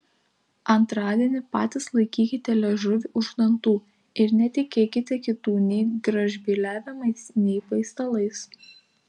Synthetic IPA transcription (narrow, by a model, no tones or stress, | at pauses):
ɐnt̪ɾɑːd̪ʲiɛnʲɪpɑ̰ːt̪ʲɪslˠɐɪkʲiːkʲɪt̪ʲɛlʲɛʒʊʋʲiʔʊʒɡd̪ɐnt̪uː | ɪɾnʲɛt̪ʲɪkʲeːkʲɪt̪ʲɛkʲɪt̪uːnʲɛɪɡɾɐʒʲbʲiːlʲæːʋʲɪmɐɪsnʲɛɪpɐɪst̪ɐlˠɐɪs